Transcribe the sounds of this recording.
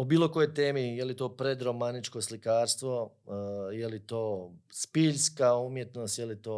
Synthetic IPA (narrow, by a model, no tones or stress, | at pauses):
obiːlo̞ko̞jojt̪e̞ːmijelit̪o̞ːpɾe̞d̪ɾomanit͡ʃko̞slikaːɾst̪ʋo̞ | jelit̪oːspiʎskaumje̞t̪no̞st̪jelit̪oː